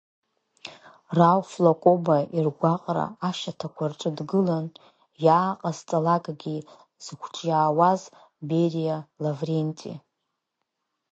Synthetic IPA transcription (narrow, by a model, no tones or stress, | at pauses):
rawflokʼo̞bairɡʷaqʼra̰aʃatʰakʷʰarʈ͡ʂʷʼɨdɡɨlan | jaːqʼazt͡sʼalakʼɡʲi | z̥ɨkʷʰt͡ʃʼjaːwaz | berijalavrentʼḭ